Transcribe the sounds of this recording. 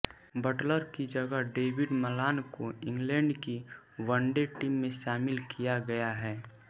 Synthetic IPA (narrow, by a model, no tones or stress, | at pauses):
bəʈləɾkid͡ʒəɡəɖeːwɪɖməlaːnkoɪ̃ŋɡlɛ̃ːɳɖki | ʋəɳɖeʈiːmːẽʃaːmɪlkijaɡɐjaɦɛː